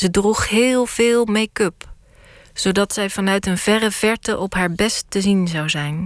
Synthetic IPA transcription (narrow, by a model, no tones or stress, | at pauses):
zədruχɦɪːlˠv̥ɪːlˠmejkɵp | z̥owdɑtsɛjvɑnœɥtənv̥ɛrəv̥ɛɹtəʔɔpɦaːɹbɛstːəzinzɑwzɛjn